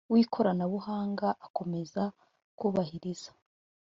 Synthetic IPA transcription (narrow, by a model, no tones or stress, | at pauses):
wiːkʰo̞ɾanaβuhaːŋɡaʔako̞me̞za | kuːβahiɾiz̥ḁ